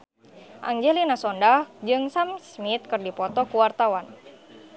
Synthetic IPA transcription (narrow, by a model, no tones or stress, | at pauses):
ʔa̰ŋd͡ʒɛlinasɔndahd͡ʒɨŋsamsmit̪̚kɨrdipɔt̪ɔkuwart̪awan